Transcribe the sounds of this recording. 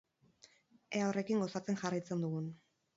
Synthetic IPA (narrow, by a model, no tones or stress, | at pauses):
e̞aore̞kiŋɡo̞sat͡se̞nʝarajt͡se̞nd̪uɣun